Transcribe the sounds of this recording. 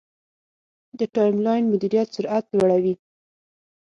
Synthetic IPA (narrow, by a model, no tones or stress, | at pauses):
d̪əʈɑjmlɑjnmʊd̪iɾijat̪sʊɾʔat̪lwaɽawi